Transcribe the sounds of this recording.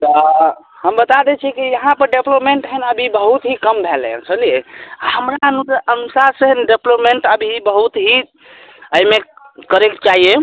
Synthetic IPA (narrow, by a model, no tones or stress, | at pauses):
t̪ɔ | həmbət̪ad̪et͡ʃʰikijəɦãpəɾɖeplopmeɳʈɦənəbʱibəɦut̪ɦikəmbʱelə̰t͡ʃʰəlijehəmɾaənusənusaɾsəɦənɖeplopmeɳʈəbʱiɦibəɦut̪ɦi | əime | kəɾekt͡ʃaɦije